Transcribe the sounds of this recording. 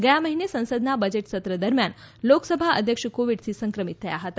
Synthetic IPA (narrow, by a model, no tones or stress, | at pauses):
ɡəjaməɦinesə̃w̃səd̪nabəd͡ʑeʈsət̪ɾəd̪əɾmjan | loksəbʱaə̰d̪ʱjəkʂəkoʋiɽsisəŋkɾəmit̪ʰːəjaɦət̪a